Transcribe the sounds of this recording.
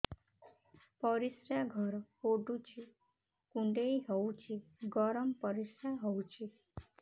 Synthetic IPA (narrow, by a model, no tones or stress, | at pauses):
pɔɾisɾaɡʱɔɾhoɖut͡ʃʰi | kũɳɖeiɦɔwt͡ʃʰiɡɔɾəmpʌɾisɾaɦɔwt͡ʃʰi